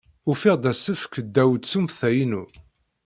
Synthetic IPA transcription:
ufiʁd̪æsəfkəd̪ːæwd̪t͡sːumθæjinu

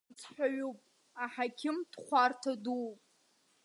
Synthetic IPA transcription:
t͡sʰħʷᶣaɥupʼ | aħakʲʰɪmdχʷartʰadupʼ

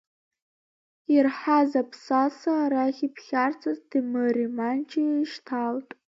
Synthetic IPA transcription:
irħazapʰsasaɾaχʲipʰχʲart͡sʰazdɨmɨrimant͡ʃʰiʃtʰaltʼ

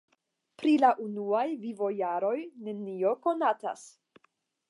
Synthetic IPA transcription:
pɾilaʔunuajvivo̞jaɾo̞jne̞nio̞ko̞nata̰s

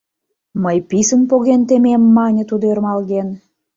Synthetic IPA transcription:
məjpisənpoɣent̪ememːɑnʲə̆t̪ud̪oermɑlɣen

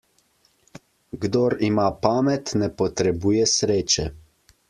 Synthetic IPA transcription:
ɡd̪oːɾimaːpaːmɛt̪nɛpɔt̪ɾɛbuːjɛsɾeːt͡ʃɛ

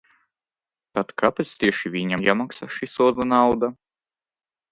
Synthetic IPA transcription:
t̪at̪kapɛt̪st̪ʲiɛʃivʲiɲamjamaksaʃisuɔd̪anawd̪a

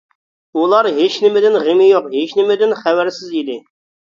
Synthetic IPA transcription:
ulˠɑɾɦet͡ʃnɪmɪd̪ɪnʁemɪjoqɦet͡ʃnɪmɪd̪ɪnχæwæɾsɪzid̪ɪ

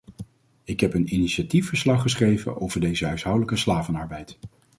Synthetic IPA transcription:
ɪkɦɛpəniniʃatifəɹslɑχəsχrejvə̰no̰wvəɹdejzəɦœɥsɦɑwdələkəslaːvənɑɹbɛjt

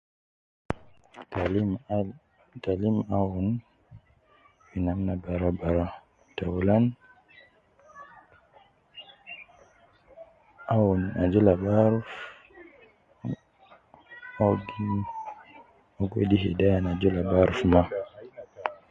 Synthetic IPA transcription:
talimawun | winamnabaɾabaɾa | tawulan | awunad͡ʒulabaɾf | aɡi | ɔɡɔ̰diɦedajanad͡ʒulabaɾufma

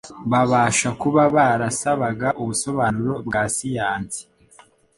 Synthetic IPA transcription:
βaβaːʃakuβaβaɾasaβaɡaʔuβuso̞βaːnuɾo̞bɡasijaːnz̥i̥

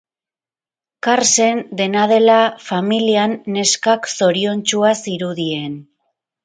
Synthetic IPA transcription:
kaɾse̞nd̪e̞nað̞e̞lafamilianːe̞skakso̞ɾio̞nt͡ʃuasiɾuðie̞n

